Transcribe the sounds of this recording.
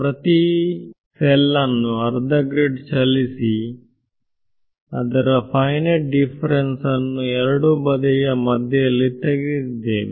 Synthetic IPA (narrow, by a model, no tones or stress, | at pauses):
pɾɐt̪i | sɛlːɐnːuɐɾd̪ɐɡɾeɖt͡ʃɐlisi | ɐd̪ɐɾɐpʰɐjnɐlɖipʰɐɾensɐnːuɛɾɐɽubɐd̪ɐjɐmɐd̪ʱjɐjɐlːit̪eɡid̪ːeːʋe